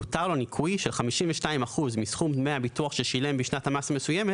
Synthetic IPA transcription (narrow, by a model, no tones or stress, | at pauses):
utaʁlonikʰujʃelχamiʃimveʃtaimaχuzmisχummeabituaχʃeʃile̞mbiʃnathamasame̞suje̞met